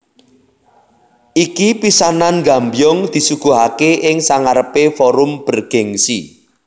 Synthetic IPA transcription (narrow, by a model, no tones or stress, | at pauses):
ʔikipisananɡambjɔŋd̪̥i̤suɡ̥ṳɦakeʔɪŋsaŋaɾəpefɔɾʊmb̥ə̤rɡ̥ɛŋsi